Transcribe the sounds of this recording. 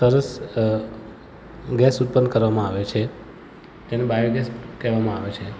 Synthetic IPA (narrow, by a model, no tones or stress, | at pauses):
səɾəs | ɡɛsut̪̚pənd̪kəɾʋamãaʋet͡ʃʰe | d͡ʒenebajiɡɛskeʋamãaʋet͡ʃʰe